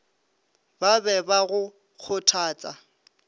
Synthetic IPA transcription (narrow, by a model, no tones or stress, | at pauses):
babɛbaɣʊ | k͡xʰʊtʰaːt͡sʼa